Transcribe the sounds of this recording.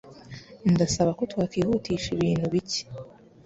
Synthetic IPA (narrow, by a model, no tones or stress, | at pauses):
ndasaβako̞twakiːhutiːʃiβiːn̥huβici̥